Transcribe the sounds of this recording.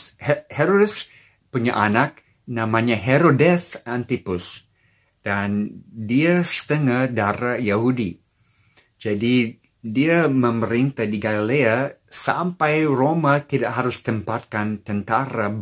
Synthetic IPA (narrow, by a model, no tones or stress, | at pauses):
heɾodɛs | puɲa̰ʔanak̚ | nãmaɲaɦeɾodɛsant̪ipʊs | d̥andiasə̥t̪əŋahdaɾajahudi | d͡ʒadi | diamə̃məɾint̪adiɡalileasa̰mpajromat̪idaʔɦaɾʊst̪əmpat̪̚kant̪ənt̪aɾa